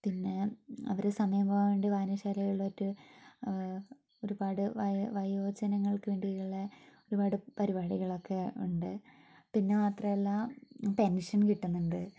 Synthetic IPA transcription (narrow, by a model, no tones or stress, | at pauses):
pinːe̞ɐ̰ʋɐɾesɐmɐjɐmboːʋeːɳɖiʋaːnɐɕaːlɐjuɭːɐotːu | o̞ɾubaːɽɨʋɐʋɐjo̞ːd͡ʑɐnɐŋːɐɭkɨʋeːɳɖiuɭːɐo̞ɾubaːɽɨpɐɾibaːɽiɣɐɭo̞kːe̞uɳɖɨ | pinːe̞maːt̪rɐmelːapenʂɐnkiʈːunːuɳɖɨ